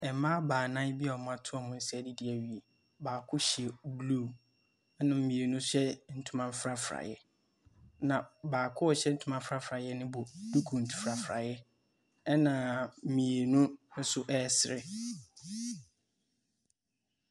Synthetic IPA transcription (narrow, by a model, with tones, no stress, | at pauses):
ɛ˨˦mã˦baː˨nã˦bi˦ɔ˨mʊ̃˦a˨tʰʊ˦ɔ˦˨mʊ̃˦n̩˦sɛ˨dɪ˦di˨˦ɛ˨ɥi˨e˨ | baː˨kʰʊ˦ɕi˨e˨blu˦˨ | ɛ˦nã˨m̩˦mĩ˨e˨nʊ̃˦sɛ˦n̩˨tʰũ˦mã˦m˦fɾa˦fɾa̰˨jɛ˦ | nã˨baː˨kʰʊ˦ɔ˨ɕɛ˦n̩˦tʰũ˦mã˦fɾa˦fɾa˨jɛ˦nɪ̃˦bɔ˨d̥u˦kʰũ˨n̩˨tʰu̥˨fɾa˨fɾa̰˨jɛ˦ | ɛ˦nã˨m̩˨mĩ˨e˨nũ˦n̩˦sʊ˦ʔɛː˦˨sɪ˨ɾɪ̰˨